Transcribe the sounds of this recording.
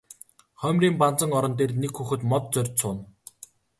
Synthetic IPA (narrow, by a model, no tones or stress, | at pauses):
χœmʲriːmpant͡sə̆ŋɔɾɞ̆nt̪eːrnekxuxɘ̆t̪mɔt̪̚t͡sœrʲt͡ɕsʊːn